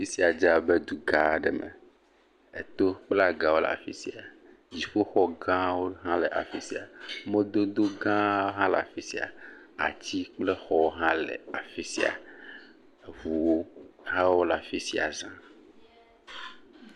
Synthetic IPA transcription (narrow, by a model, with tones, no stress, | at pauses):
fi˦si˨a˨d͡ʒa˨be˦d̪u˨ɡa˨ɖɛ˨mɛ̰˨ | ḛ˨t̪o˦k͡plɛ˦a˦˨ɡã˨wo˦lɛ̰˨a̰˨fi˦si˨a˨ | d͡ʑi˨ɸo˦xɔ˦ɡã˦wo˦ɦã˦le˨ʔa̰˨fi˦si˨a˨mẽ˦d̪o˦d̪o˦ɡã˦wo˦ɦã˦lɛ˨a̰˨fi˦si˨a̰˨ | a̰˨t͡ɕi˦k͡ple˦xɔ˦wo˦ɦã˦lɛ̰˨a˨fi˦sḭ˦˨a̰˨ | vu˨wo˦ɦã˦wo˦la˨fi˦si˦a̰˨zã˦